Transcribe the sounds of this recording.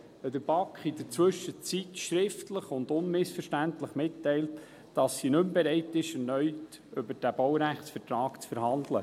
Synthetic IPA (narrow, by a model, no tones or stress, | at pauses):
ɛd̥əɾb̥ɑkχɪd̥əɾt͡sʋɵʃət͡sitʃɾɪftləχʊnd̪ʊnmɪsfəɾʃtæntləχmɪtːɛɪlt | d̥ɑsːinɵmbɛɾɛɪtɪʃɛɾnœʏt | ʏbəɾd̥æb̥ɔwɾæχsfəɾtɾɑːkt͡sfəɾhɑndlə